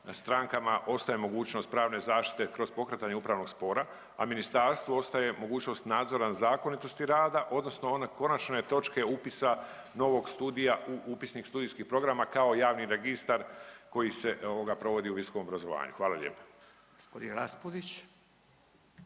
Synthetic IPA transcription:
nast̪ɾaŋkamaʔo̞st̪aje̞mo̞ɡuːt͡ɕno̞st̪pɾaːʋne̞zaːʃt̪i̥t̪e̞kɾo̞zpo̞kɾet̪aɲeupɾaʋno̞ɡspo̞ːɾa | aminist̪aɾst̪ʋuo̞st̪aje̞mo̞ɡuːt͡ɕno̞st̪naːd̪zo̞ɾanazaːkonit̪o̞st̪iɾaːd̪aʔo̞d̪no̞sno̞onako̞nat͡ʃne̞t̪o̞t͡ʃke̞upisa | no̞ʋo̞ɡst̪uːd̪ijauʔupisnikst̪uːd̪ijskihpɾo̞ɡɾamakao̞jaːʋniɾe̞ɡist̪aɾko̞jise̞ʔooɡapɾo̞ʋo̞d̪iuʋisoko̞mobɾazo̞ʋa̰ːɲṵxʋaːlalʎʲḛːpḁ | ɡ̥o̥spod̪inɾaspod̪it͡ɕ

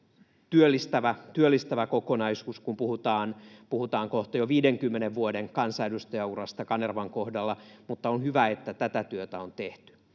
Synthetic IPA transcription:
t̪yølːist̪æʋæt̪yølːist̪æʋækokonɑisuːskumpuhut̪ɑːnpuhut̪ɑːŋkoht̪ɑjoʋiːdeŋkymːeneʋʋuodeŋkɑnsɑedust̪ɑjɑurɑst̪ɑkɑnerʋɑŋkohdɑlːɑmut̪ːɑonhyʋæet̪ːæt̪æt̪æt̪yøt̪æont̪eht̪y̥

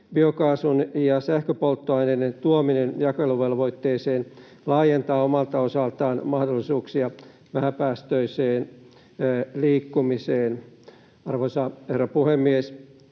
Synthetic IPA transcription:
biokɑːsunjɑsæhkøpolt̪ːoɑinenent̪uominenjɑkeluʋelʋo̞it̪ːeːseːn | lɑːjent̪ɑːomɑlt̪ɑosɑlt̪ɑːnmɑhdolːisuːksiɑ | ʋæhæpæːst̪øiseːn | liːkːumiseːn | ɑrʋoisɑherːɑpuhemːies

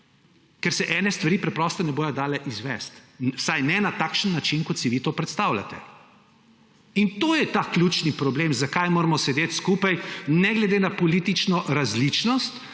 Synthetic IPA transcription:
kɛɾsɛʔɛːnɛst̪ʋaɾiːpɾɛpɾɔst̪ɛnɛboːjɔd̪aːlɛʔizʋɛ̰st̪wsajnɛnat̪aːkʃənːat͡ʃinkɔt̪siʋit̪oːpɾɛt̪st̪awlʲa̰t̪ɛ̰ | int̪oːjɛt̪aklʲut͡ʃnipɾɔbleːmzakajmoːɾɛmɔsɛd̪eːt̪skupajnɛɡlɛd̪enapɔliːt̪it͡ʃnɔʔɾazlit͡ʃnɔst̪

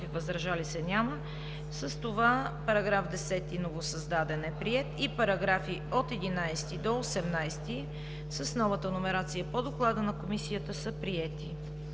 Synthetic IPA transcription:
ivəzɾɐʒalisɛnʲamə | səst̪ovapɐɾɐɡɾafd̪ɛsɛt̪inovosəzd̪ad̪ɛnɛpɾiɛt̪ipɐɾɐɡɾafiot̪ɛd̪inajst̪id̪oosɛmnajst̪i | səsnɔvət̪ənomɛɾat̪sijəpod̪oklˠad̪ənɐkomisijət̪əsəpɾiɛt̪i

